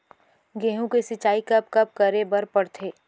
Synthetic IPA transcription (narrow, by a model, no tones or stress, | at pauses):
ɡeːɦũkesɪt͡ʃaːikɐp̚kɐp̚kəɾebəɾpəɽt̪ʰeː